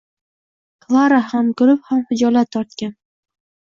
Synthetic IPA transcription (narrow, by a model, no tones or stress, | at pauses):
kʰlˠaɾahamkɵɾɪphamhʊd͡ʒɒlat̪ʰːɒɾt̪kʲan